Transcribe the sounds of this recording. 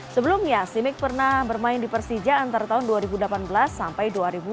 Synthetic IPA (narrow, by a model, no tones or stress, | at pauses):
səbəlumɲasimɪk̚pərnahbərmaɪndipərsid͡ʒaːnt̪aɾat̪aɦʊnduaɾibudəlapanbəlasːampajduaɾibu